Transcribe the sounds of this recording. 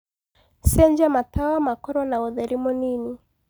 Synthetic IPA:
sɛɲd͡ʒamatawamakɔɾɔnauðɛɾimɔnini

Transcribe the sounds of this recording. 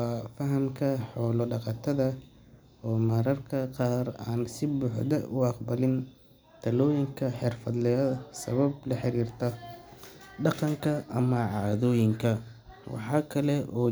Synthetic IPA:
fɐɦɐmkʰɐħɔːlɔɖɑqɑt̪ʰɐðɐ | ɔːmɐɾɐrkʰɐqɑːraːnsɪbuːħd̪ɐʔʊɑqbɐlɪn | t̪ʰɐlɔːjɪŋkʰɐħɪrfɐd̪lɛjɐsɐ̰βɐblɐħɪɾiːrt̪ʰɐ | ɖɑqɑŋkʰɐʔɐmɐʕɑːðɔːjɪŋkʰɐ | wɑ̰ħɑːkʰɐlɛʔɔː

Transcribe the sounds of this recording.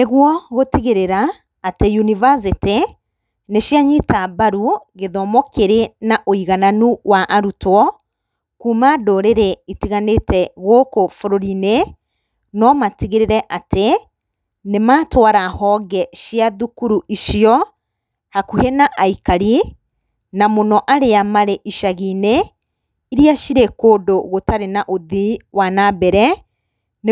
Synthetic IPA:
neɣwɔɣotiɣeɾeɾaː | tejunivas̬ite | neʃjaɲitaβaɾuɣeðɔmɔkʰeɾenaʔoiɣananuwaʔaɾutwɔ | kuːmadoɾeɾeitiɣanetɛɣokofoɾoɾine | nɔmatiɣeɾeɾɛʔate | nematwaɾahɔɣɛʃiaðukuɾuʔiʃjɔ | hakuhenaʔaikaɾi | namonɔʔaɾeamaɾeʔiʃaɣine | iɾiaʃiɾekoːdoɣotaɾenaʔoðiwanabɛɾɛ | ne

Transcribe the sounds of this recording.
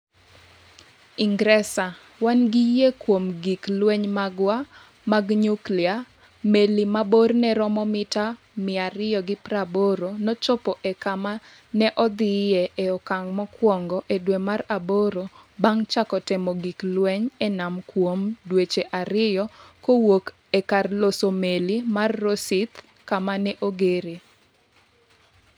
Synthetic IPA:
iŋɡɾɛsa | wanɡijekwomɡiklweɲmaɡwa | maɡɲuklia | melimabornɛɾɔmɔmɪta | mɪaɾɪjɔɡɪpɾaboɾonɔt͡ʃɔpɔʔekama | nɛʔɔd̪ɪjeʔeɔkaŋmɔkwɔŋɡɔʔedwemaraboɾobaŋt͡ʃakɔtɛmɔɡiklwɛɲɛnamkwomdwet͡ʃeʔaɾɪjɔkowok | ekarlosomelimarːosit̪ | kamanɛʔoɡeɾe

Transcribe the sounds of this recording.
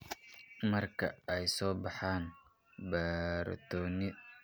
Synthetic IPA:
mɐrkʰɐ̰ɛjsɔːbɑħaːn | bɛːɾɐ̰t̪ʰɔːnɪ

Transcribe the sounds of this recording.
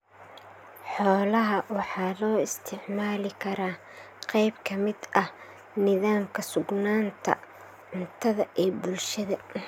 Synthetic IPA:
ħɔːlɐɦɐwɑħɑːlɔːɪst̪ʰɪʕmaːlɪkʰɐɾaː | qɛjbkʰɐmɪd̪ʔɐh | nɪðaːmkʰɐsʊɡnaːnt̪ʰɐ̰ | ʕʊnt̪ʰɐðɐʔɛːbʊlʃɐðɐ

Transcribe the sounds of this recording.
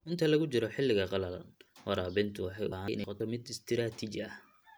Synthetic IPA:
ʔɪnt̪ʰɐlɐɣʊt͡ʃɪɾɔħɪlːɪɣɐqɑlɐlɐ̰nwɑɾɑːbɪnt̪ʰʊwɑħɑjʔʊaʔɪ̰nɛqɔt̪ʰɔmɪd̪ɪst̪ʰɪɾaːt̪ʰit͡ʃɐh

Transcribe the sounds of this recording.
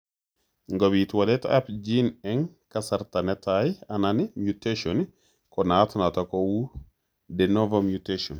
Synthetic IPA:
ŋɡaβitwalɛta̰apd͡ʒinɛŋkasaɾtanɛtajananimjuteʃɔn | kɔnatnatakɔwu | dɛnɔvamjuteʃɔn

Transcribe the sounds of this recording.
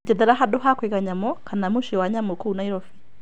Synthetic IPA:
d͡ʒɛðɛɾaɦadoɦakwikaɲamɔkʰanamuʃiwaɲamokuunaiɾɔfi

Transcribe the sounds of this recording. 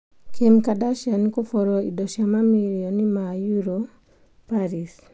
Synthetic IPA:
kʰemkadaʃankofɔɾɔidɔʃamamilijɔnimajuɾo | paɾis

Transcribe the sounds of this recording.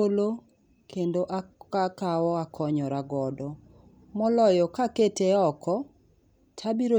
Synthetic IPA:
olo | kʰendoʔaakawɔakʰɔɲɔɾaɡɔdɔ | mɔlɔjɔkaketeɔkɔ | tʰabiɾo

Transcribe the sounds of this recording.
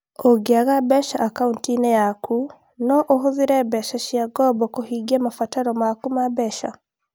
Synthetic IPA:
oɡeaɣabɛʃaʔakauntinɛjakʰu | nɔʔoɦoðiɾɛbɛʃaʃiaɡɔbɔkohiɡiamafataɾɔmakumabɛʃa̰

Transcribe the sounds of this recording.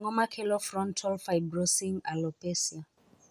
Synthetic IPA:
ŋɔmakʰɛlɔfɾɔntʰɔlfajbɾɔsimalɔpɛsja

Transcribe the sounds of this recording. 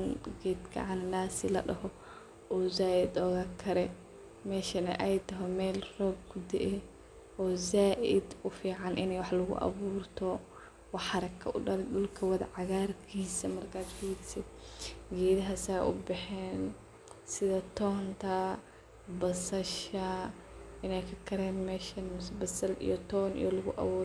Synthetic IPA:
nɡɛːd̪kʰɐ̰ʕɑnɐnaːsɪlɐ̰ɗɐɦɔ | ʔɔːzaːʔɪd̪ɔɣɐkʰɐɾɛ | mɛːʃɐnɐ̰ʔɛjt̪ʰɐɦɛmɛːlrɔːb̚ɡʊd̪ɪʔɛ | ɔːzaːʔɪd̪ʊfiːʕɑnʔɪnɛjwɑħlʊɣʊ̰ʔɐ̰βuːrt̪ʰɔ | wɑħɑɾɐkʰːɐʔʊɖɐlɪɗʊlkʰɐwɐðɐʕɑɣaːrkʰiːsɐmɐrkʰaːd̪fiːɡsɪd̪̚ɡɛːðɐɦɐsaːʔʊbɛħɛːn | sɪðɐt̪ʰɔːnt̪ʰɐ | bɐsɐʃɐ | ɪnɛjkʰɐkʰɐɾɛːnmɛːʃɐnmʊsbɐsɐlḭjɔt̪ʰɔːnʔḭjɔlɐɣʊʔɐ̰βuː

